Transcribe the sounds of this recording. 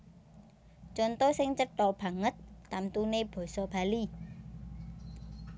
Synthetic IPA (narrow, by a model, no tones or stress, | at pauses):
t͡ʃont̪osɪŋt͡ʃət̪ɔb̥a̤ŋət̪̚ːamt̪uneb̥o̤sobali